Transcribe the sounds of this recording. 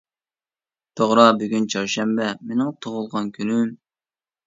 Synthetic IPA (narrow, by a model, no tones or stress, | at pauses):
t̪ʰoʁɾɑbyɡʲynt͡ʃʰɑɾʃɛmbɛmenɪŋt̪ʰoʁʊlˠʁɑnkʲʰynym